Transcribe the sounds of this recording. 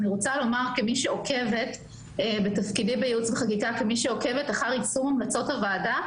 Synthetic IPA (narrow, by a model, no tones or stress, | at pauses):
niʁot͡salo̞maʁkemiʃeokʰe̞ve̞t | betafkidebejeut͡sveχakikakemiʃeo̞ke̞vetaχaʁisuʁamlat͡so̞tavada